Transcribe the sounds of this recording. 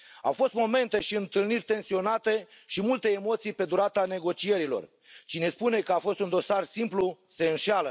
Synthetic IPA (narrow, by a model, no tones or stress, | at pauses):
a̰wfo̞st̪mo̞me̞nt̪e̞ʃiɨnt̪ɨlnirʲt̪e̞nsio̞nat̪e̞ʃimult̪e̞ːmo̞t̪sijpe̞d̪uɾat̪ane̞ɡo̞t͡ʃie̞ɾilo̞̰r | t͡ʃine̞spune̞kəafo̞st̪und̪o̞sarsimplu | se̞ɨnʃalə